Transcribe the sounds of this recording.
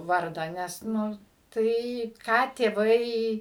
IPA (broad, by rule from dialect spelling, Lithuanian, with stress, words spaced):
ˈʋɐrdɑː ˈnʲɛs ˈnʊ ˈtɐɪ kɑː tʲeːˈʋɐɪ